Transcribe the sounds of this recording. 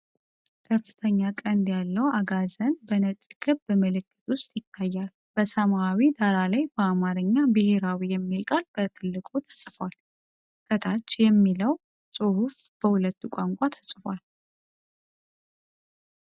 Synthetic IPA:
kʰəfːɨ̥t̪ʰəɲːakʼənd̪jalːəwaɡazənbənət͡ʃʼɡɨbmɨlɨkːɨ̥t̪ʼwʊst̪ʼjɪt̪ʰːajːal | b̥əsəmawid̪aɾalajbəamaɾɨɲːabɨhe̞ɾawijɛmːilkʼalb̥ət̪ʰɨlːɨkʼut̪ʰə̥sʼfwal | kʰət̪ʰat͡ʃːjɛmːiləw | sʼɨhuf | b̥əhulət̪ːukʷʼaŋkʷʼat̪ʰə̥sʼfwal

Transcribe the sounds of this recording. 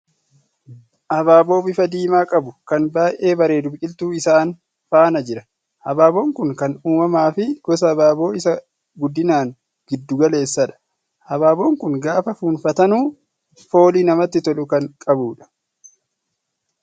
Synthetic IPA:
ʔɐbaːbo̞ːbɪfɐd̪iːmaːkʼɐbʊkɐnbaːjʔe̞ːbɐɾe̞ːd̪ʊbt͡ʃʼɪlt̪uːɪsaːn | faːnɐd͡ʒɪɾɐ̥ | ʔɐbaːbo̞ːŋkʊŋkɐnuːmɐmaːfɪɡ̥ɔs̬ɐːbaːbo̞ːɪsɐ | ɡʊd̪ːɪnaːŋ | ɡɪd̪ːʊɡɐle̞ːsːɐᶑɐ̥ | ʔɐbaːbo̞ːŋkʊŋɡaːfɐfuːnfɐt̪ɐnuː | fo̞ːliːnɐmɐt̪ːɪt̪ɔlʊkɐŋkʼɐbuːᶑɐ̥

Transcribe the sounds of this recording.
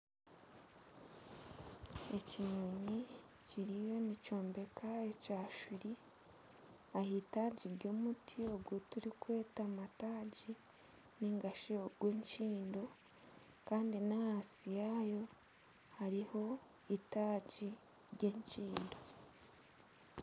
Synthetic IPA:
e̞ciɲumi | ciɾijo̞nico̞ːmbe̞kʰaecaːʃuɾi | ahitaːɟiɾɟo̞ːmutʰio̞ɡwotuɾikwe̞ːtamataːɟi | niŋɡaʃioɡweːɲt͡ʃiːndo̞ | kaːndinahasijajo̞ | haɾiho̞ | itaːɟi | ɾɟe̞ːɲt͡ʃiːndo̞

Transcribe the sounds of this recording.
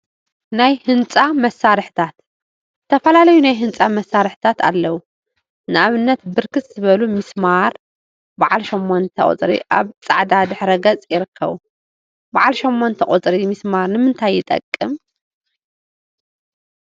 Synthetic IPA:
najhɨnt͡sʼamɐsːaɾɨħt̪ʰat̪ | ɨt̪ʰːɐfɐlalɐjunajɦɨnt͡sʼamɐsːaɾɨħt̪ʰat̪ʰa̰lːɐwu | nɨʔaβɨnːɐt̪bɨɾkɨsʼzɨβɐlumɨsmaɾ | baʕalʃomːont̪ʰɐ̰χʼo̰t͡sʼɾḭʔa̰βt͡sʼaʕd̪ad̪ɨħɾɐɡɐt͡sʼjɪɾɨkʰːɐ̰βu | baʕalʃomːont̪ʰɐkʼot͡sʼɾimɨsmaɾnɨmɨnt̪ʰajːɪt̪ʼɐ̰kʼːɨm

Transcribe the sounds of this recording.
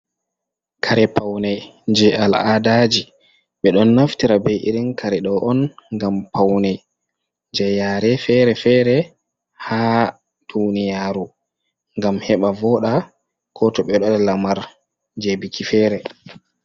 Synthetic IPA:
kʰaɾɛpawnɛjd͡ʒɛaladad͡ʒi | ɓɛɗɔnːaftiɾabɛjʔiɾinkʰaɾɛɗɔʔɔnŋɡampawnɛj | nd͡ʒɛjaɾɛfɛɾɛfɛɾɛ | haː | d̥unijaːɾu | ŋɡamhɛɓavɔɗa | kʰɔtɔɓɛɗɔɗɛlamaɾ | d͡ʒebikifɛːɾɛ

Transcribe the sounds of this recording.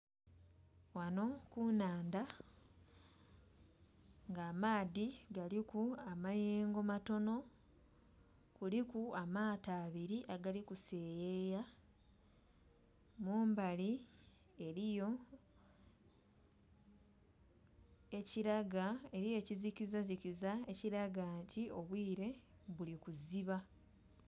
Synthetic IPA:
wano̞kunaːnda | ŋɡaːmaːðiɡalikuamajeːŋɡomato̞no̞ | kulikuamaːtaːβiɾiʔaɡalikuse̞ːjeːja | muːmbali | e̞ɾijo̞ | e̞ciɾaɡae̞ɾijo̞cizikizazikizae̞ciɾaɡaːntʰio̞βwiːɾe̞ | βulikuziβa

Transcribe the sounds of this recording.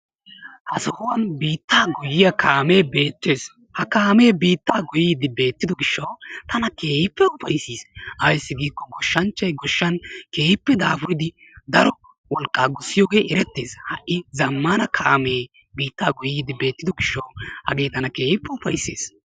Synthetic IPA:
hɐsɔhɔwɐnbiːt̪ːaːɡʊjːɪjɐkʰaːme̞ːbe̞ːt̪ːeːs | hɐkaːme̞ːbiːt̪ːaːɡʊjiːd̪ɪbe̞ːt̪ːɪd̪ɔɡɪʃːɐwt̪ɐnɐke̞ːhɪpːɛʊfɐjsiːsɐjsːɪɡiːkːɔɡɔʃːɐnt͡ʃːɐjɡɔʃːɐnke̞ːhɪpːɛd̪aːfʊɾɪd̪ɪ | d̪ɐɾɔ | wɔlkʼːaːɡʊsːɪjoːɡe̞ːʔɛɾɛt̪ːe̞ːshɐʔʔɪzɐmːanɐkʰaːmeː | biːt̪ːaːɡʊjiːd̪ɪbe̞ːt̪ːɪd̪ɔɡɪʃːɐwhɐ̰ɡe̞ːt̪ɐnɐke̞ːhɪpːɛʊfɐjsːe̞̰ːs

